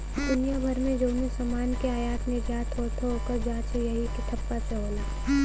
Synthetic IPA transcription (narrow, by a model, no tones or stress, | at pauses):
d̪ʊnijabʱɐɾmẽd͡ʒoːnisɐmaːnkeaːjaːt̪nɪɾd͡ʒaːt̪ɦoːt̪ʰooːkəɾd͡ʒaːt͡ʃejɐɦikɪt̪ʰəpːaseɦoːlaː